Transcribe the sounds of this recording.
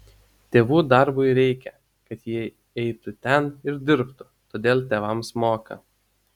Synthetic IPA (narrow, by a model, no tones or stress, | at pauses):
t̪ʲeːʋuːd̪ɐɾbʊɪɾʲɛɪkʲɛ | kɐt̪jiɛ | ɛɪt̪ʊt̪ʲɛnɪɾd̪ʲɪɾpt̪ʊ | t̪oːd̪ʲeːlˠt̪ʲeːʋɐmsmoːkɐ̰